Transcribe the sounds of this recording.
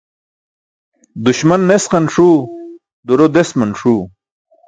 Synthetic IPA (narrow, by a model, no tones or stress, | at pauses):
d̪uɕmɐnːesqɐnʂuː | d̪uɾod̪esmɐnʂuː